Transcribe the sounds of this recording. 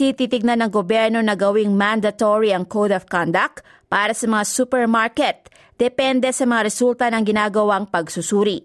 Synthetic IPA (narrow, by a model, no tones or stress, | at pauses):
t̪it̪it̪ɪɡ̚nanɐŋɡobjɛɹno̞nɐɡɐwiŋmand̪ɐt̪oɹiɐŋkowd̪ɐfkand̪ɐk̚t̪ | paːɾɐsɐmɐŋasupɛɹmaɹkɛt̪̚ | d̪̥ɛpɛnd̪ɛsɐmɐŋaɾɛsult̪ɐnɐŋɡɪnaːɡɐwaŋpɐɡsusuːɾi